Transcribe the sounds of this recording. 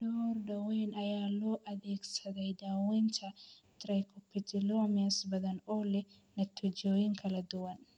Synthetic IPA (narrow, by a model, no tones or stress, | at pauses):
doɾdɐweːnɐjaːloːʔɐd̪eːksɐd̪ɐjd̪aːwɛnt͡ʃɐ | t̪ɾɐjkɔpːɪd͡ʒɪloɐmɪɐsbɐd̪ɐnoːlːɛ | nɐt̪ʰːʊd͡ʒoːjɪŋkʰɐlɐd̪ʊwɐn